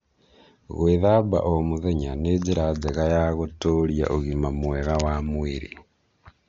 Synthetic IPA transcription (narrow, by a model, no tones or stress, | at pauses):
ɣweðaba̰ʔomuðeɲaneziɾad͡zeɣajaɣotolija̰ʔoɣimamweɣawamwiɾḭ